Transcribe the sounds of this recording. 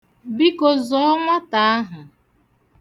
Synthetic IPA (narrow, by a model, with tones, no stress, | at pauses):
bi˦ko˨zɔ˦ɔ˦ŋʷa˦ta˨a˦ɦʊ˨